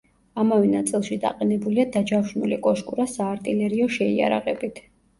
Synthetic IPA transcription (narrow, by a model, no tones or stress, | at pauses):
amavɛnat̪sʼilˠʃid̪a̰qʼɛnɛbuliad̪ad͡ʒafwʃnulikʼɔʃkʼuɾasaːɾt̪ʼilɛɾiɔʃɛia̰ɾa̰ʁɛbit̪ʰ